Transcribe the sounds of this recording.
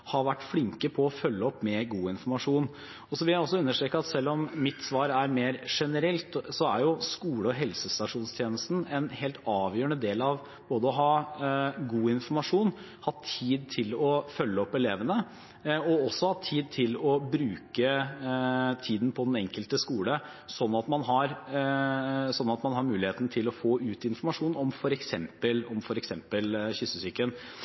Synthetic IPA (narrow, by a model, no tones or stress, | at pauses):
hɑɾʋæʈːflɪŋkəpʰɔːfœlːəɔpːmɛɡuːɪnfɔɾmɑʂuːn | ɔsɔʋɪæɪɔsːɔʉnːəʂʈɾeːkəɑt̪sɛlːɔmːɪt̪sʋɑːɾæɾmeːɾʂɛnəɾɛlt̪sɔæɾjʊskuːləɔɦɛlsəst̪ɑʂuːnst̪ʰjeːnəst̪n̩ɛnheːlt̪ɑːʋjøːɾəɳəd̪eːlɑʋ | b̥oːd̪əɔɦɑː | ɡuːɪnfɔmɑʂuːn | hɑt̪ʰːiːd̪̚t̪ʰɪlɔfœlːəɔpːɛleːʋənə | ɔɔsːɔhɑt̪ʰiːd̪̚t̪ʰɪlɔbɾʉːkə | t̪ʰiːd̪n̩pʰɔd̪ɛnɛŋkəlt̪əskuːlə | sɔnːɑt̪mɑnɦɑɾ | sɔnːɑt̪mɑnhɑɾmʉːlɪheːt̪nət̪ʰɪlɔfoːʉːt̪ɪnfɔɾmɑʂuːnɔmfɔɾɛksɛmpəlɔmfɔɾɛksɛmpəlçʏsəsyːkən